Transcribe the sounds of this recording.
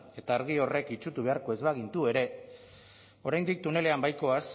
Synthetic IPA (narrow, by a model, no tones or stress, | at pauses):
e̞t̪aːɾɣio̞re̞kit͡ʃut̪uβe̞aɾko̞e̞zβaɣint̪ue̞ɾe̞ | o̞ɾajnd̪ik̚t̪une̞le̞ambajko̞as